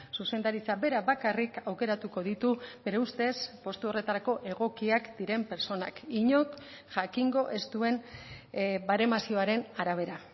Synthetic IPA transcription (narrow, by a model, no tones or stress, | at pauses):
suse̞nd̪aɾit͡sabe̞ɾaβakarikawke̞ɾat̪uko̞ðit̪ube̞ɾeust̪e̞spo̞st̪uo̞re̞t̪aɾako̞ʔe̞ɣ̞o̞kiakd̪̥iɾe̞mpe̞ɾt͡ʃo̞na̰kiɲo̞k | ʝakiŋɡo̞ʔe̞st̪ue̞n | baɾe̞masio̞aɾe̞naɾaβ̞e̞ɾa